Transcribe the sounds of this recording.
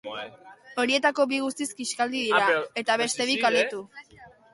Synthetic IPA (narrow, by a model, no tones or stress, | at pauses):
o̞ɾie̞t̪ako̞βiɣust̪iskiskald̪iðiɾae̞t̪aβ̞e̞st̪e̞ðikald̪et̪u